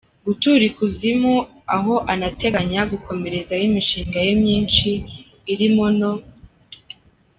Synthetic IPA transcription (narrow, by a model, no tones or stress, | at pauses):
ɡutuɾikuzimu | aɦo̞ʔanate̞ɡaɲaɡuko̞me̞ɾe̞zajimiʃiːŋɡajemɲiːnt͡ʃiː | ɾimono̞